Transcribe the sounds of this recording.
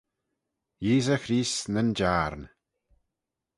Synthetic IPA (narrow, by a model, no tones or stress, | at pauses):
jiːzəxɾiːsnənd͡ʒaːɾn